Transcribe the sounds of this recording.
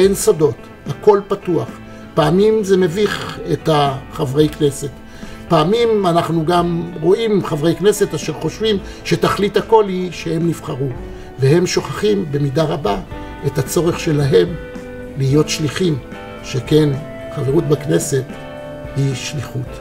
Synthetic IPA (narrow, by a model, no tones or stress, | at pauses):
ensado̞t | hako̞lpatuaχ | paːmimzeme̞viχetaχavʁe̞jkne̞se̞t | paːmimanaχnuɡamʁo̞imχavʁejkne̞se̞taʃe̞ʁχo̞ʃvim | ʃe̞taχlithako̞lhiʃehe̞mnifχaʁu | vehe̞mʃo̞χaχimbe̞midaʁaba | etat͡so̞ʁeχʃe̞laɦe̞m | lihijo̞tʃliχim | ʃeke̞n | χaveʁutbakne̞se̞t | hiʃliχut